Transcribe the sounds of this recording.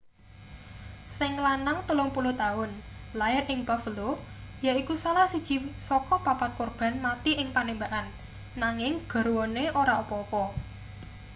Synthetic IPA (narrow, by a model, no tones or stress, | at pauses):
sɪŋlanaŋt̪əlʊŋpulʊht̪aʊnlaɪrɪŋpafəlojaikusalahsi̥t͡ʃi̤sɔkɔpapat̪̚korb̥a̤nmat̪iɪŋpanembaʔanː | aŋɪŋɡ̥ɔ̤ɾwɔneʔoɾaopɔopɔ